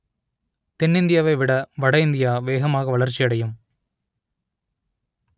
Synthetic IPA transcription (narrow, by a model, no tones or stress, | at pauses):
t̪ɛnːɪnd̪ɪjaːʋɐɪʋɪɽɐʋɐɽɐɪnd̪ɪjaːʋeːɣɐmaːɣɐʋɐɭɐɾt͡ʃːɪɐɽɐjɯm